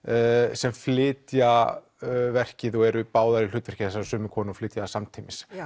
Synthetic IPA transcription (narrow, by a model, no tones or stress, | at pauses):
sɛmflɪːt̪ja | vɛr̥cɪðɔɛɾʏpaːwðaɾɪl̥ʏːt̪vɛ̥r̥cɪθɛsːaɾsʏːmʏkʰɔːnɔflɪːt̪jasamt̪ʰimɪs